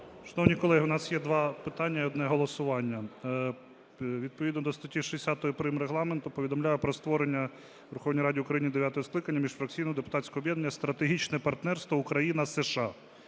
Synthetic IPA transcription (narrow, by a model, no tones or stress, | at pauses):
ʃɐnɔwnʲikɔlˠɛɦiʊnɑsjɛd̪ʋɑpɪt̪ɑnʲːɐiɔd̪nɛɦɔlˠɔsʊʋɑnʲːɐ | ʋʲid̪̚pɔʋʲid̪nɔd̪ɔst̪ɐtʲiʃesʲat̪ɔjɔpɾimɾeɦlˠɑment̪ʊpɔʋʲid̪ɔmlʲajʊpɾɔst̪ʋɔɾenʲːɐ | ʋeɾʊxɔwnʲijɾɑdʲiʊkɾɐjinʲid̪eʋʲjat̪ɔjɔsklˠɪkɐnʲːɐmʲiʃfɾɐk̚t͡sʲijnɔjɔd̪epʊ̥t̪ɑtʲsʲkɔɔbjɛd̪nenːɐst̪ɾɐt̪eɦʲit͡ʃnɛpɐrt̪nɛrst̪ʋɔʊkɾɐjinɐsɛʃɑ